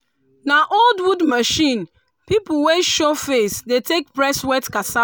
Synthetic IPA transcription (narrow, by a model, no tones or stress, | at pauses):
naʔoldwudmaʃĩn | pipʊweʃofesdetek̚pɾɛswɛtkasa